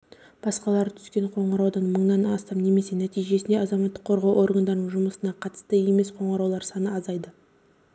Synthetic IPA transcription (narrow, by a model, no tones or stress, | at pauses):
b̥ɑsqɑlˠɑɾət̪ʰʏ̥skʲe̞ɴqʰo̞ɴɾɑwd̪ɑnməɴnɑnɑ̰st̪ɑmne̞me̞se̞næt̪ijʒe̞sɪnd̪e̞ɑzɑmɑt̪ːə̥qʰːo̞ɾʁɑwʔo̞ɾɡɑnd̪ɑɾənəɴʒʊməsənɑqʰɑt̪ə̥st̪əe̞me̞sqʰo̞ɴɑɾɑwlˠɑɾsɑnəɑzɑjd̪ə